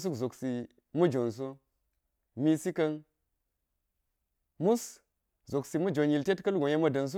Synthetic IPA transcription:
s̬u˦kzo˨ksi˨ | mu˦d͡ʒo˨ns̬u˦ | mi˦si˦kɐ˦n | mu˦s | zo˨ksi˨mu˦d͡ʒo˨nji˨lte˦tkɐ˦lɡo˨ja˦mɐ˨dɐ˨ns̬u˦

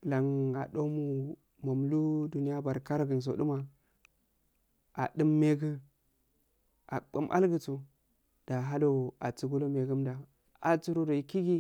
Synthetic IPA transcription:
la˨ŋa̰˨ɗo˦mu˦ | ma˨m˨lu˦du˨ni˦ja˦ba˨ɾka˦ɾɡə˨n˨s̬o̰˨ɗu˦ma˨ | a̰˨ɗə˦mːe˦ɡə˦ | a̰˨ɓə̰˨mʔa̰˦lɡə˨t͡su˨ | d̥a˨ɦa˦lo˦˨a̰˨t͡su˨ɡu˦lo˦me˨ɡə˦mda˨ | a̰˨t͡su˦ɾo˦˨do˨i˨ki˦ɡi˦

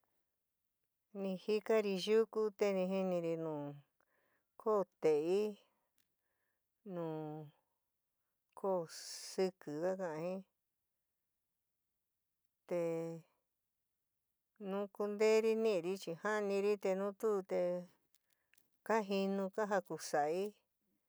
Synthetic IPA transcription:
nĩ˧hi˦ka˦ɾi˧ʒu˦ku˧t̪e˧nĩ˧ɦi˧nĩ˧ɾi˧nũː˨ | kʰo˦˧t̪e˨i˦ | nũː˨ | kʰo˦˨sɨ˧kɨ˨ka˦kã˧ʔã˧hĩ˦ | t̪e˧ | nũ˦ku˧nd̪e˦ɾi˧nĩ˦ʔɾi˧t͡ʃi˧ha˦˧nĩ˧ɾi˦t̪e˧nũ˦t̪u˦˧t̪e˧ | ka˦ɦi˧nũ˧ka˦ɦa˧ku˧sa˨ʔi˦

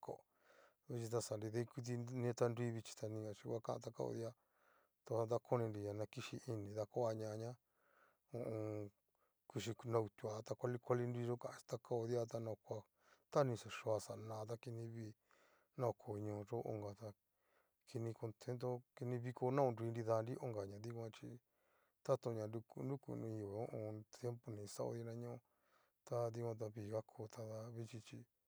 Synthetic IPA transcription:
ko̰˧˨ | βi˧t͡ʃi˧t̪̬a˧sa˨nɾi˧ðe˦˧ku˧t̪̬i˧nĩ˧˦˧t̪a˧ndi˦βi˧t͡ʃi̥˧t̪a˧nĩ˧a˧t͡ʃi˧kʷa˦kã̰˧˦ʔã̰˧t̪a˧ka̰˧o̰˧ði˦a˦ | t̪a˧a˧d̪a˧kʰo˦nĩ˧nɾi˨ɲa˨nã˧ki˧ʃi˧ʔi˧nĩ˨ða˧ko˦a˧ɲã˧ɲã˦ | ũ˧˨ʔũ˧ | ki˧ʃi˧nã˧u˧t̪ʲu˧˨a˨t̪a˧kʷa˦˧li˧kʷa˦li˧ndi˧ʐo˦kã˨ʔã˧i̥˧t̪a˧kʰa˦o˧ðja˦t̪̬a˧nã˧kʷa˧ | t̪a˦nĩ˧sa˨ʂo˧a˧sa˨˧nãː˧˦t̪̬a˧ki˧nĩ˧βi˦˧ | nã˦˧˨kʰo˨˧ɲõː˧ʐo˦ʔo̰˧ŋɡa˨t̪a˧ | kʰi˧nĩ˧ko˧nt̪ʰe˦nt̪̬o˦ki˧nĩ˧βi˧ko˧nã˦õ˧nɾi˧nɾi˧ða˧nɾi˦ʔo˦ŋɡa˨ɲã˨ði˦kʷã˧t͡ʃi˧ | t̪a˦t̪o˧ɲã˨˧ndu˧ku˧ndu˦kṵ˧nũ˧ju˧˨e˨õ˦ʔõ˧t̪je˦mpo˧nĩ˨˧sa˦ʔo̰˧ði˧nã˧ɲõ˦˧ | t̪a˧ði˧kʷã˧t̪̬a˧βiː˧˨ɣa˦kʰo˧t̪ʰa˧ða˧βi˦t͡ʃi˧t͡ʃi˧

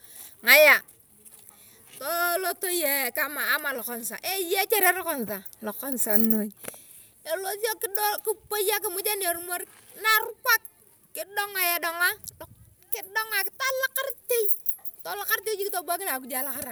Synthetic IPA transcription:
ŋa˨ja˨ | to˦lo˦to˦je˨ka˦maː˨˦ma˨lo˨kɔ˦n˨sa̰˨ʔe˦je˦t͡ʃe˦ɾe˦ɾo˦kɔ˨n˨sa˨lo˨ko˦nsa˨no˦˨j | e˨lo˦si˦o˦ki˦do˦ki˦po˦ja˦ki˨mu˦d͡ʒa˦ne˨ɾu˦mo˦ɾ | na˦˨ɾu˦kʷa˦k̚ | kːɪ˦do˦ŋa˨ja˨do˨ŋa˦˨ | ki˦do˦ŋa˨kta˦la˦ka˦ɾte˦i˦˨ | to˦la˦ka˦ɾte˦d͡ʒi˦ki˦to˦ba˦ki˦la˨ku˦d͡ʒa˨˦la˦ka˦ɾa˨

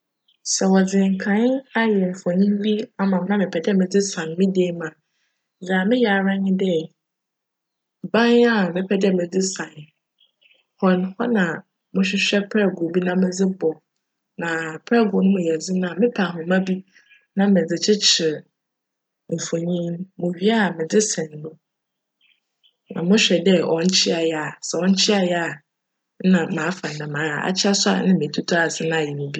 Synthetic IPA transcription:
sɛ˨wɔ˨d͡zɪ̃˨ŋ˨kʰã˦na˦jɛ˨m̩˨fɔ˨ɲĩ˦mbi˦a˨mã˨m˦nã˦mɪ̃˨pʰɛ˨dɛ˦mɪ̃˨d͡zɪ˦sã˨n˨mɪ̃˦de˦mã˨ | d͡za˨mɪ̃˦jɛ˨a˨ɾã˦ɲɪ̃˦dɪ˦˨ | bã˦na˦mɪ̃˦pʰɛ˨dɪ˦ɛ˦mɪ̃˨d͡zɪ˦sã˨n | hɔ̃˨nhɔ˦nã˨ | mʊ̃˦ɕᶣɪ˦ɕᶣɛ˦pʰɛ˦˨ɡʊ˨bi˦nã˦mɪ̃˦d͡zɪ˦bɔ˨ | nã˨pʰɛ˦ɡʊ˨nʊ̃˦mʊ̃˨jɛ˨d͡zɪ˦nã˦˨mɪ̃˦pʰa˨ɦʊ̃˨mã˦bi˦ | nã˦mɪ̃˨d͡zɪ˨t͡ɕʰɪ˦t͡ɕʰɪ˨ | m̩˨fo˨ɲĩ˦n˦mʊ̃˨ɥi˦a˦˨mɪ̃˨d͡zɪ˦sɛ̃˨n˨nʊ̃˦ | nã̰˨mʊ̃˦ɕᶣɛ˨dɛ˦ɔ̃˨ɲ̩˦t͡ɕʰɪ˦a˨jɛ˨a˨sɛ˨ɔ̃˦ɲ̩˦t͡ɕʰɪ˦a˨jɛ˦a˨˦ | nã˨mãː˨˦fã˨nã˨mãː˨˦a˨a̰˦t͡ɕʰɪ˦a˦sʊ˦a̰˨nɪ̃˦mɪ̃˨tʰu˦tʰa˨sɪ˦nã˦˨jɛ˨mʊ̃˨bi˦

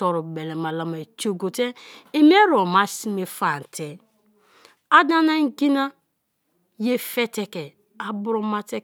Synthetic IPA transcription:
ɔ˨ɾu˨be˨le˨ma˨la˨ma˨t͡ʃo˨ɡo˨te˦e˦m˦e˦ɾo˨ma˦si˦me˨fa˨n̩˨tʰe˨ | a˦da˦na˦ŋ̩˦ɡi˦na˦ | je˦fe˦te˨kɛ˨ | a˨bu˦ɾo˦ma˦te˦

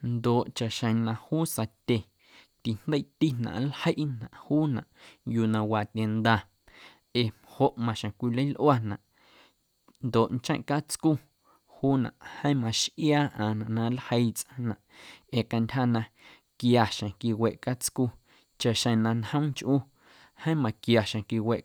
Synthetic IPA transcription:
nd̪oː˨ʔt͡ʃa˨ʔʃə̃˨nã˧huː˦sa˧t̪ʲe˨ | t̪i˨n̥d̪ə˦t̪i˦nã̰˨ʔlhə˦ʔnã̰˨ʔhuː˦nã̰˨ʔjuː˧nã˧waː˨t̪ʲe˧˨nd̪a˧ | e˨mho˧ʔmã˧ʃẽ˨kʷi˧lə˦jlʔwa˦nã̰˨ʔ | nd̪o˨ʔnt͡ʃẽ˦ʔka˦t͡sku˦ | huː˦nã̰˨ʔhə̃˦mã˧˨ʃʔjaː˦ʔã˨nã˨ʔnã˧lhə˧jt͡sʔã˧nã˨ʔe˨ka˧ntʲɦa˦nã˧ | kja˨ʃã˨ki˧we˨ʔka˦t͡sku˧ | t͡ʃa˧ʔʃə̃˧nã˧nhə̃˦ŋt͡ʃʔuː˦ | hə̃˦mã˨kja˨ʃẽ˨ki˧we˨ʔ

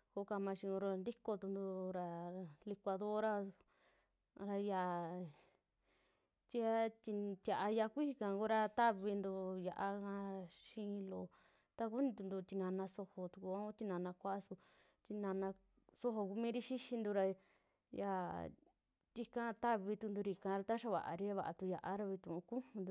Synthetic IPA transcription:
ko˧˦ka˧mã˧ʃĩ˧õ˧ɾo˧nd̪i˦ko˧t̪u˧nd̪u˧ɾa˧li˧kʷa˧ðo˦ɾa˧ | ɾa˧ja˧˨ | t̪i˧˦a˦t̪i˧t̪ʲja˨ʔa˧ja˧kʷi˦i˧kã˧˨ŋɡo˦ɾa˧t̪a˦βi˧nd̪u˧ja˧ʔa˧kã˧ʃĩ˦˧lo˨ | t̪a˧k̬u˦nĩ˧t̪u˧nd̪u˧t̪i˧nã˧nã˧so˧ho˧t̪u˧ku˧a˦u˦t̪ʲi˧nã˨˧nã˧kʷa˦ʔsu˧ | t̪i˧nã˧nã˧ | so˧ɦo˧ku˧mĩː˦ɾi˦ʃi˦ʃi˧nd̪u˧ɾa˧ | ja˧˨ | t̪i˧kã˦˧t̪a˦βi˧t̪u˧nd̪u˧ɾi˧kã˧ɾa˧t̪a˦ʃa˧βa̰˨ʔa̰˧ɾi˦a˧βa̰˨˧a̰˧t̪u˧ja˧ʔa˦ɾa˧βi˧t̪ũ˧˨ũ˧kũ˦hũ˧nd̪u˧

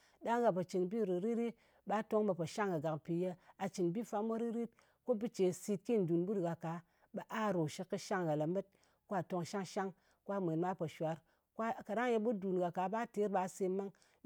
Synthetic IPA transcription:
ɗa˦ŋɡa˨pa˨t͡ʃi˨nbi˦˨ɾi˨ɾi˦ɾi˦ | ɓa˦to˦ŋba˧po˨ʃa˦ŋɡa˨ɡa˨kpi˨je˧a˨t͡ʃi˨nbi˦fa˦mo˦ɾi˦ɾi˦t̚ | ko˦bɨ˦t͡ʃe˨si˧tki˦˨n̩˨du˨nbu˦ɾɡa˨ka˨˦ | ɓa˨ʔa˦˨ɾo˨ʃi˧˦kːɨ˦ʃa˦ŋɡa˨la˨me˦t̚ | ko˦a˨to˧ŋʃa˦ŋʃa˦ŋ | ko˦a˦me˨nma˦po˨ʃwa˨˦ɾ | kka˨ɾa˦ŋje˧bu˦du˨nɡa˨ka˨ɓa˦te˨˦ɾɓa˧se˧ma˦ŋ

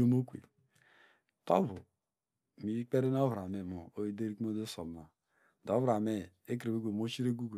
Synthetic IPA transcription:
o˦mo˦kʷḛ˨ | to̰˦bṵ˨ | mi˨˦k͡pe˦ɾe˦n˦o˦vɾa˨me˨mo˨o˦i˦de˦ɾi˦km˦o˦de˦so˨bna˨ | do˨˦vɾa˨me˦˨e˦k̬ɾe˨be˦ɡo˨mo˦t͡ʃi˦ɾe˦ɡʷu˦ɡe˨

